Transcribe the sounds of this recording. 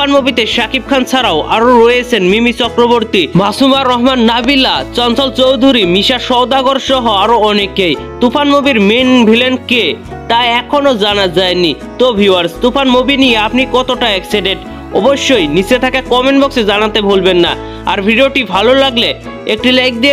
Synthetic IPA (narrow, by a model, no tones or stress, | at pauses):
anmobit̪eʃakib̚kʰant͡ɕʰaɾaoʔaɾoɾoet͡ɕʰenmimit͡ɕɔkɾoboɾt̪imasumaɾɔɦmanːabilːat͡ɕɔnt͡ɕɔlt͡ɕowd̪ʱuɾimiʃaɾʃɔwd̪aɡoɾʃɔɦoaɾoɔnekej | t̪upanmobiɾmenbʱilenke | t̪aeɛkʰonod͡ʑanad͡ʑaeni | t̪obʱiwaɾst̪upanmobinijeapnikɔt̪oʈaɛksiɖeʈ | ɔ̰boʃːojnit͡ɕet̪ʰakakɔmenbɔksed͡ʑanat̪ebʱolbenːa̰ | a̰ɾbʱiɖioʈibʱalolaɡle | ek̚ʈilajk̚d̪ie